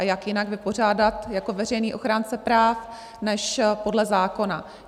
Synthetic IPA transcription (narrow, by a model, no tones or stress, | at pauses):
jakjɪnaɡvɪpo̞r̝aːdat̪jako̞vɛr̝ɛjniːʔo̞xɾant͡sɛpɾaːf | nɛʃpo̞dlɛzaːko̞na